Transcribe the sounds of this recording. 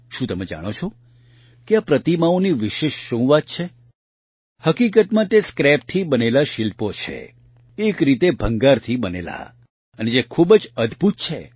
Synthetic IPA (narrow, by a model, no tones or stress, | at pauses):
ʃũt̪əmed͡ʒa̰ɽ̃ot͡ʃʰɔ | keapɾət̪imaoniʋɪʃeʃːũʋat̪̚t͡ʃʰe | həkikət̪mãt̪eskɾɛp̚t̪ʰibənelaʃilpot͡ʃʰḛ | ekɾit̪ebʱəŋɡaɾt̪ʰibənḛla̰ | əned͡ʒekʰubd͡ʒəd̪ʱbʱut̪̚t͡ʃʰe